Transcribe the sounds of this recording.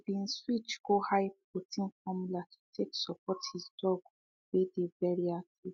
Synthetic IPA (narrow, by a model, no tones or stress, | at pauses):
ivĩnswit͡ʃɡ̥ohaɪp | otʰĩnfɔmulatʰu̥tʰeksɔpʰɔthizdɔɡ | wedevɛɹiati